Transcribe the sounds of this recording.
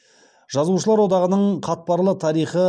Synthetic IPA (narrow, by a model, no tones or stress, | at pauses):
ʒ̥ɑzuʃ̬əlˠɑɾwo̞d̪ɑʁənəɴqʰɑt̪̚pɑɾlˠət̪ʰɑɾijχə